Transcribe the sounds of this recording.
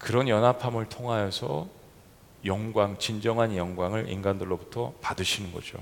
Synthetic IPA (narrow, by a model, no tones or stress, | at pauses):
kɯɾʌnjʌnɦapʰamɯɭtʰoŋɦajʌsʰʌ̰ | jʌŋɡwaŋt͡ɕind͡ʑʌŋɦanjʌŋɡwaŋɯɭʔḭnɡandɯɭːobutʰʌpadɯɕʰinɯnɡʌ̰d͡ʑo̰